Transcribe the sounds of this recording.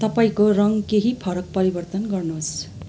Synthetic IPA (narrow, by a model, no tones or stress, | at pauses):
t̪ʌpaĩkorʌŋkeɦipʰʌɾʌk̚pʌɾibʌrt̪ʌnɡʌrnos